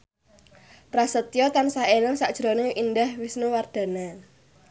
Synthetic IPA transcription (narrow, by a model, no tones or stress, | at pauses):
pɾasət̪ijɔt̪ansaeləŋsaʔd̥ʒ̥ɾoneind̪ahwisnuward̪̥a̤na